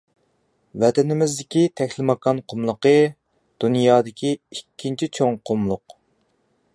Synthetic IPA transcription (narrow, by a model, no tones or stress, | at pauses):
vɛt̪ɛnɪmɪzd̪ɪkʲit̪ʰɛkʲlɪmɑkɑnqʰʊmlˠəqə | d̪̥unjɑːd̪ɪkʲʰiikʲʰːint͡ʃʰit͡ʃʰoŋqʰʊmlˠʊq